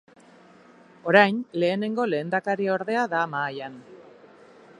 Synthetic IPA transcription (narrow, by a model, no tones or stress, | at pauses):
o̞ɾajnle̞ːne̞ŋɡo̞le̞ːnd̪akaɾio̞ɾðe̞aðamaːjan